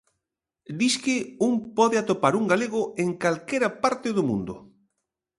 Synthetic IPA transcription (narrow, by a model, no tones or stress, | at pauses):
d̪iskɪuŋpɔðɪat̪opaɾuŋɡaleɣ̞ʊeŋkalkeɾapaɾt̪ɪðʊmṵ̃nd̪ʊ̰